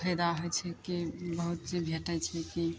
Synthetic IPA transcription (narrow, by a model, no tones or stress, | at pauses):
pʰəjd̪aɦɔjt͡ʃʰɛkibəɦut̪t͡ʃebʱeʈət͡ʃʰɛki